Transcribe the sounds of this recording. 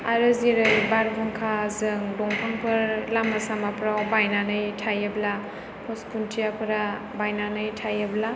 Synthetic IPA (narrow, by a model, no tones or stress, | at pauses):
aɾɯziɾɯjbaɾbɔŋkʰazɯŋdɔŋpʰaŋpʰɯɾlamasamapɾawbajnanɯjtʰajɯbla | pʰɔskuntʰijapʰɯɾa | bajnanɯjtʰajabla